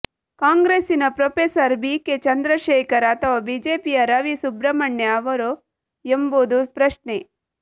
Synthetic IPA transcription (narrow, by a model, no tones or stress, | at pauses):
kaːŋɡɾeːsinɐpɾopeːsɐɾbiːket͡ʃɐnd̪ɾɐʃeːkɐɾɐt̪ʰɐʋɐbid͡ʒeːpijɐɾɐʋisubɾɐmɐɳːjɐɐʋɐɾo | emboːd̪upɾɐʃne